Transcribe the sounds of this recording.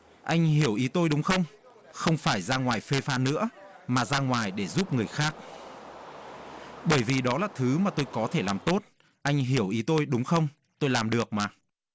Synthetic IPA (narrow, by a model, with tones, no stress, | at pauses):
ʔa˧jŋ̟ɦi˧˩əwʔi˨˦t̪o˧jɗʊ˨˦wŋ͡mxə˧wŋ͡m | xə˧wŋ͡mfaː˧˩jzaː˧ŋwaː˨˩jfe˧faː˧nɨ̰˧˥əmaː˨˩zaː˧ŋwaː˨˩jɗe˧˩zu˦˥p̚ŋɨ˨˩əjxaː˦˥k̚ | ɓəː˧˩jvi˨˩ɗɔ˨˦laː˨˩t̪ʰɨ˨˦maː˨˩t̪o˧jkɔ˨˦t̪ʰe˧˩laː˨˩mt̪o˦˥t̚ | ʔa˧jŋ̟ɦi˧˩əwʔi˨˦t̪o˧jɗʊ˨˦ŋ͡mxə˧wŋ͡m | t̪o˧jlaː˨˩mɗɨ˨˩ək̚maː˨˩